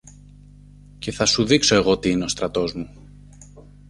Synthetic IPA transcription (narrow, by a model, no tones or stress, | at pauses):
ce̞θɐsuðikso̞e̞ɣo̞t̪iineo̞st̪ɾɐt̪o̞zmu